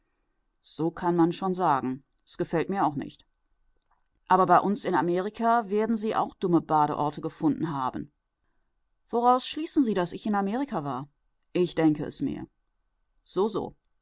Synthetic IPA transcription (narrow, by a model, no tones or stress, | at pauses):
z̥oːkʰanmanʃoːnzaːɡŋ̩ | ɛsɡ̥əfɛltmiːɐaʊxnɪ̰çt | ʔaːbɐbaɪʔʊnsɪnameːʁ̞ikʰaveːɐdn̩ziːʔa̰ʊxd̥ʊməbaːɾəʔɔɐtəɡəfʊndn̩ɦaːbn̩ | v̥oʁaʊsʃliːsn̩ziːdasɪçɪnameːʁikʰavaːɐ | ʔɪçd̥ɛŋkəɛ̰smḛːɐ | z̥oːzo̰ː